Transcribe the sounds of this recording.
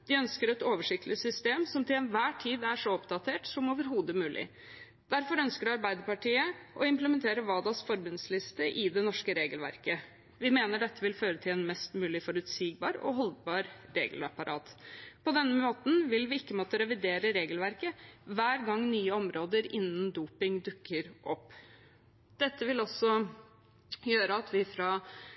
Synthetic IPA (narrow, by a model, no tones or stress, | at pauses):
d̪̥ɪœnskəɾɛt̪oːʋəʂɪk̚t̪lɪsʏst̪eːmsɔmt̪ʰɪlɛnʋæːʈʰiːd̪æʂɔɔpd̪ɑt̪ʰeːʈsɔmoːʋəɾɦuːd̪əmʉːlʔɪ̰ | d̪̥æɾfɔɾœnskəɖɑɾbæɪd̪əɾpɑʈʰiːəʔɔɪmpləmɛnt̪ʰeːɾəʋɑːd̪ɑsfɔɾbʉnslɪst̪əʔɪd̪ɛnɔʂkəɾeːɡəlʋæ̰ɾkə | ʋɪmeːnəɖɛt̪ʰːəʋɪlføːɾət̪ʰɪlɛnmɛst̪mʉːlɪfɔɾʉt̪siːɡ̚bɑ̰ːɾɔ̰ɦɔlbɑːɾɾḛːɡəlɑpɑɾʔɑ̰ːt̪pʰɔd̪ɛnːəmoːt̪n̩ʋɪlʋɪɪkːəmoːt̪əɾɛʋɪd̪eːɾəɾeːɡəlʋæɾkəʋæːɾɡɑŋːnyːəɔmɾoːd̪əɾɪnːənd̪uːpɪŋd̪ʉkʰːəɾʔɔpː | d̪̥ɛt̪ːəʋɪlɔsːɔ | jøːɾəɑt̪ʰʋɪfɾɑ